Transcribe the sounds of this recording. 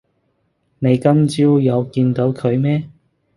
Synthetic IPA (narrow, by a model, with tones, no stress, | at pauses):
ne˨˧jkɐ˥mt͡siː˥wjɐ˨˧wkiː˧nt̪o˨˥wkʰɵ˨˧ɥmɛː˥